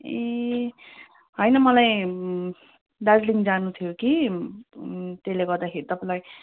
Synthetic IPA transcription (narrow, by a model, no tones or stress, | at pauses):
e | ɦʌjnʌmʌlaj | d̪ad͡zliŋd͡zanut̪ʰijoki | t̪eleɡʌrd̪akʰeɾit̪ʌpãlaj